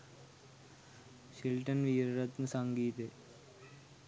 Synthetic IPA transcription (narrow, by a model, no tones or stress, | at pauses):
ɕilʈɐnʋiːɾɾɐt̪nɨsɐŋɡiːt̪e